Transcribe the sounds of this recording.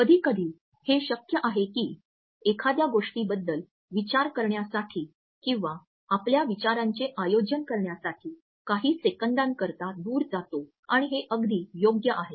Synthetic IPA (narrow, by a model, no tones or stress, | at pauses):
kəd̪ʱiːkəd̪ʱiː | heɕəkjəʔaɦekiː | ekʰad̪jaɡoʂʈiːbəd̪ːəl | ʋit͡ɕaɾkəɾɳjasaʈʰiː | kĩw̃ʋa | apljaʋit͡ɕaɾaɲt͡seʔajod͡ʑənkəɾɳjasaʈʰiː | kaɦiːsekəɳɖ̪ãŋkəɾt̪ad̪uːɾd͡zat̪o | aɽ̃iɦeʔəɡd̪ʱiːjoɡjəʔaɦe